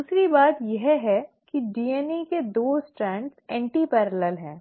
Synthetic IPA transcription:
d̪uːsɾibaːt̪jɛɦɦɛkiɖiːɛniked̪oːsʈɾɛ̃ːɳʈsɛ̃ːɳʈipɛːɾələlɦɛ̃ː

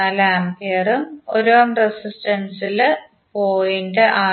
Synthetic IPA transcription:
ɐlaːmpeːrumo̰ɾoɐmresisʈɐnsil | poːjindeʔaː

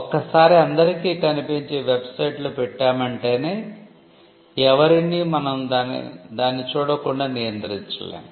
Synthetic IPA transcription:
ɔkɐsaːɾiɐnd̪ɐɾikiːkɐnipiɲt͡ʃiʋebsɐjʈlupɛʈːaːmɐɳʈe̞ːne̞ː | ɛʋɐɾɐniːmɐnɐmd̪aːnḭd̪aːnːit͡ʃuːɽɐkuɳɖaːnijɐnt̪ɾiɲt͡ʃɐ̰lḛːnu

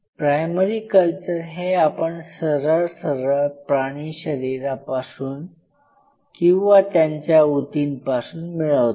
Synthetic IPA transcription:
pɾajməɾiːkəlt͡ɕəɾɦeapəɳsəɾəɭsəɾəɭpɾaɽ̃iɕəɾiɾapasuːn | kĩw̃ʋat̪jaɲt͡ɕjaut̪inpasuːnmiɭaʋt̪

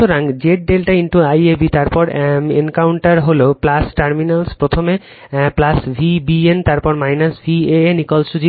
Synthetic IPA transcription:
oɾaŋd͡ʑeʈ̚ɖelʈaiɳʈuajebit̪aɾpɔɾḛŋkawɳʈaɾɦoloplasʈaɾminalspɾot̪ʰome | plasbʱibient̪aɾpɔɾmajnasbʱienikolʃud͡ʑi

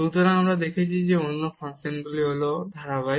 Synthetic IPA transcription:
ut̪ɔɾaamɾad̪ekʰet͡ʃʰid͡ʑeonːofasenbuliɦolod̪ʱaɾaβaj

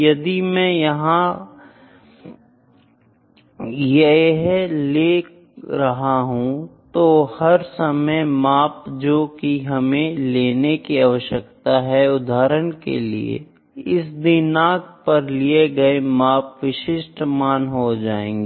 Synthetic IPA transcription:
jɐd̪imɛ̃jɐɦã | jeeɦleː | ɾɐɦaɦũt̪ohɐɾsɐməjmaːpd͡ʒoːkiɦɐmẽleːnekiaːʋəʃəkt̪aɦɛʊd̪ʱaːɾənkḛlḭḛ | ɪsd̪ɪnaːk̚pɐɾlieɡɐemaːpʋɪʃɪʃʈmaːnɦod͡ʒaːḛ̃ːŋɡiː

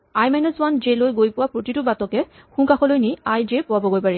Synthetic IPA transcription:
ajmɛnɔzwand͡ʒelojɡojpʊwapɹotitʊbatɔkɛ | xũŋkaxɔlojniajd͡ʒepʊwabɔɡojpaɹɛ

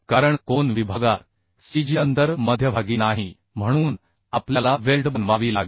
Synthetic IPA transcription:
kaɾəɳkonʋibʱaɡat̪ | sid͡ʑiənt̪əɾməd̪ʱjəbʱaɡiːnaɦi | m̤əɽ̃uːn | aplalaʋelɖbənʋaʋiːla̰ɡi

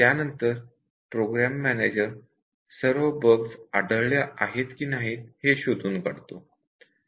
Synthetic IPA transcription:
t̪janənt̪əɾ | pɾoɡɾæmːæned͡ʑəɾ | səɾʋəbəɡsaɖəɭljaʔaɦet̪kiːnaɦiːt̪heɕod̪ʱuːnkəɽt̪o

